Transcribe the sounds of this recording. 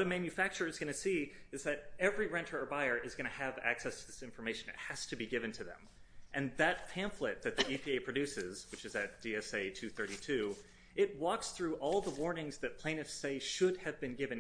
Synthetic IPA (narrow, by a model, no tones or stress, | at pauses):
ɾɨmæ̃njɨfæk̚t͡ʃə˞ɨzɡ̥ʌñɨsiɨzðɨɾɛvɹiɹɛ̃ntʰə˞ə˞baɪə˞ʔɨzɡʌñɨɨvæ̰ksɛstʰɨðɪsɪ̃ɱfə˞meɪʃɨ̃nɨ̰t̚hɨz̥tʰɨbiɡɪvɨ̃ntʰɨðɨ̰̃m | ʔɨ̃nðɨt̚pʰæ̃ɱflɪt̪̚ðɨt̪̚ðiʔipʰieɪpʰɹ̥ɨdʉsɪz̥wɨt͡ʃɨzɨt̚d̥iɛseɪtʰʉθɜ˞ɾitʰʉ | ʔɪt̚wɔksθɹʉʔɔlˠðəwɔɹnɪ̃ŋzðɨt̚pʰl̥ẽɪ̃nɨfseɪʃʊd̚ɨvbɨ̃nɡɪvɨ̃n